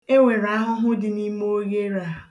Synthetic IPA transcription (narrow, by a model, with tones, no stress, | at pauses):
e˦ŋʷe˨ɾa˦ɦʊ˦ɦʊ˦dɪ˨ni˦mo˦ɣe˦ɾa˨